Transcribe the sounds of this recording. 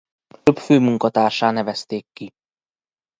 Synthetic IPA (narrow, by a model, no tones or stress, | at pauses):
øpføːmuŋkɒt̪aːrʃaːnɛvɛst̪eːkːi